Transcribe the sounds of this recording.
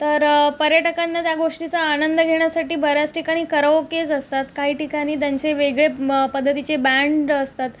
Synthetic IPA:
t̪əɾpəɾjəʈəkanːat̪jaɡoʂʈit͡saːnənd̪əɡʱeɽ̃jasaʈiːbʱəɾjat͡sʈikaɽ̃iːkəɾəʋked͡zəst̪at̪kaɦiːʈikaɽ̃iːt̪jaɲt͡seʋeɡɭepəd̪ʱːət̪it͡ɕebaɳɖəst̪at̪

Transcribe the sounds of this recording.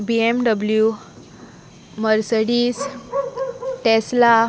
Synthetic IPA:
biemɖəblju | məɾsəɽiːs | ʈesla

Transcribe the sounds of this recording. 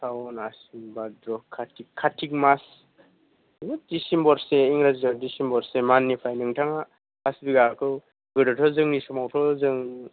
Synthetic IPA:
sʰawnasimbadɾɔkʰːatʰikʰːatʰik̚mas | ɡɯdisimbɔɾseiŋɾazɡaɾdisimbɔɾsemanːipʰajnɯŋtʰaŋa | asbiɡaɾkʰɯw | ɡɯdɔtʰɔzɯŋnisɔmawtʰɔzɯŋ

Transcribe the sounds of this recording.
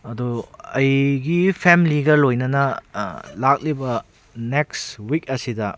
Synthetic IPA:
ɐduɐjɡipʰemliɡɐlojnɐnɐ | lak̚libɐ | nekswik̚ɐsidɐ

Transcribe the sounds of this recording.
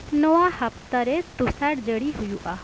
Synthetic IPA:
nɔʋãhəpt̪aɾet̪usaɽd͡ʒəɽiɦʊjuʔa

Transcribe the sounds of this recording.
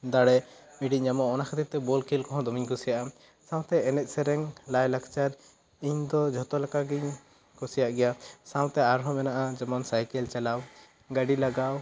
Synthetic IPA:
d̪aɽɛ | miɖiɲamɔɔnakʰat̪ip̚t̪ɛbɔlkilkɔɦɔ̃d̪ɔmiɲkusijaʔa | sãw̃t̪ɛːnɛt̪̚ˀsɛɾɛŋlajlakt͡ʃaɾ | iɲd̪ɔd͡ʒʱɔt̪ɔlakaɡiɲ | kusijaʔɡɛjasãw̃t̪ɛaɾɦɔ̃mɛnaʔad͡ʒɛmɔnsajkɛlt͡ʃɛlaw | ɡaɖilaɡaw

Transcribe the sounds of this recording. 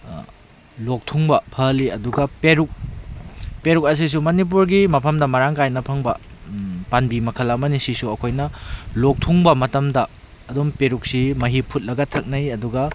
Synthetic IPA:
lok̚tʰuŋbɐpʰɐliɐduɡɐpeɾuk̚ | peɾuk̚ɐs̬is̬umɐnip̬uɾɡimɐpʰɐmdɐmɐɾaŋkajnɐpʰɐŋbɐ | panbimɐkʰɐlɐmɐnisisuɐkʰojnɐlok̚tʰuŋbɐmɐtɐmdɐː | dumpeɾuk̚simɐɦipʰut̚lɐɡɐtʰɐk̚nɐjɐduɡɐ

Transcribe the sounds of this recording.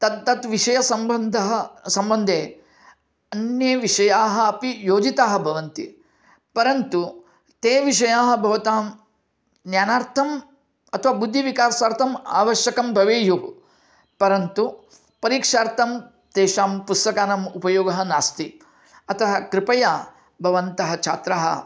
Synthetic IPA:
t̪ɐd̪t̪ːɐt̪ʋiʂɐjɐsɐmɐnd̪ɐɦɐsɐmbɐnd̪ʱeː | ɐnjeʋiʂɐjaːɦɐɐpijoːd͡ʒit̪aːɦɐ̆bʱɐʋɐnt̪ḭ | pɐɾɐnt̪u | t̪eːʋiʂ̬ɐjaːɦɐbʱɐʋɐt̪aːm | njaːnaːɾt̪ʰɐm | ɐt̪ʰɐʋaːbud̪ʱːiʋikaːɾsaːɾt̪ʰɐma̰ːʋɐʃjɐkɐmbʱɐʋeːju | pɐɾɐnt̪u | pɐɾiːkʂaːɾt̪ʰɐm | d̪̥eːʃaːmpust̪ɐkaːnɐmupɐjoːɡɐɦɐnaːst̪i | ɐt̪ɐɦɐkɾɪpɐjaː | bʱɐʋɐnt̪ɐɦɐt͡ʃʰa̰ːt̪ɾaːɦɐ̰

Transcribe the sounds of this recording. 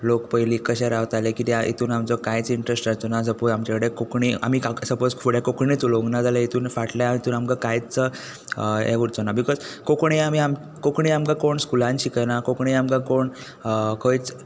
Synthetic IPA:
lokpəjliːkəɕeɾaʋt̪alekit̪iaʔḭt̪uːnamt͡sɔkajt͡siɳʈɾesʈaɾt͡sonad͡zəpuɾamt͡ɕakəɽekokɳia̰mikasəpod͡zkʰuɽjakokɳit͡suloɡnad͡zaləit̪ʰuːnfaʈljaait̪uːnamkakajt͡sə | ḛʋuɽt͡sonabikɔzkokɳiamiam | kokɳiamkakoɳskulãnɕikənakokɳiamkakoɳ | kʰəjt͡s

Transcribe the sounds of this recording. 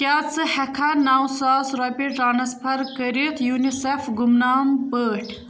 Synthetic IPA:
kʲaːt͡sɨhɐkʰanaːwsaːsɾɐbiʈɾaːnɐspʰɐɾkəɾit̪ʰjuːnisefɡumnaːmbəːʈ

